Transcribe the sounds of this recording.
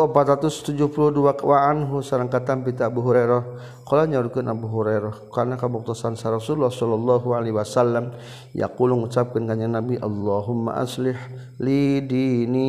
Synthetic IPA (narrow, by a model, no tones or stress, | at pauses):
pat̪ɾat̪ʊst̪ud͡ʒuhpulʊhduakwaːnɦusaɾaŋkat̪ampit̪aːbuɦuɾaɾɔh | kolaɲaɾukanʔabuɦuɾaɾɔhkarnakabɔk̚t̪ɔsansaɾɔsuulːahsɔlːɔlːaɦualewasalːam | ja̰kulʊŋut͡ʃap̚kɪnkaɲanabiʔalːɑɦʊmːa̰ʔa̰slɪħ | lidini